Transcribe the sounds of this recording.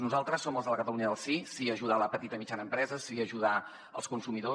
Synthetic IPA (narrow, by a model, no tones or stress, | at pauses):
nuzalˠt̪ɾəsːoməlˠzðələkət̪əluɲəðəlˠsisiəʒuð̞aləpət̪it̪əmit͡ʃanəmpɾɛzəsiəʒuða | ə̰lˠskunsumiðo